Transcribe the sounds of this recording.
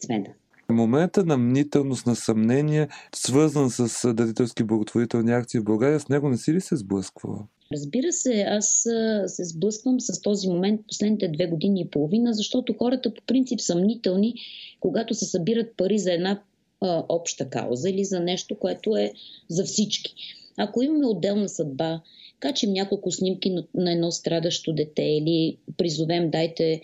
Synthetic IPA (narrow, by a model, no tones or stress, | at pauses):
t̪svɛ̰n | momɛnt̪ənɐmnit̪ɛlˠnost̪nɐsɐmnɛniɛsvɤɾzənsəsd̪ɐd̪it̪ɛlˠskiblˠɐɡot̪voɾit̪ɛlˠniak̚t̪sivbɐlˠɡaɾiəsnɛɡonɛsilisɛzblˠɤskvə̰lˠə̰ | ɾəzbiɾəsɛassɛzblˠɤskvəmsɐst̪ɔzimomɛnt̪̚po̥slɛd̪nit̪ɛd̪vɛɡod̪iniːpolˠovinəzɐʃt̪ɔt̪oxɔɾət̪əpo̥pɾint̪sipsɐmnit̪ɛlˠnikoɡat̪ʊsɛsɐbiɾət̪̚pɐɾizɐɛd̪na | ʔɔpʃt̪əka̰ʊ̰zəilizɐnɛʃt̪okoɛt̪oɛzɐfsit͡ʃki̥ɐkoimɐmɛod̪ːɛlˠnɐsɐd̪̚ba | kat͡ʃɛmnʲakolˠkʊsnimkinnɐɛd̪nɔst̪ɾad̪əʃt̪od̪ɛt̪ɛilipɾizʊvɛmd̪ajt̪ɛ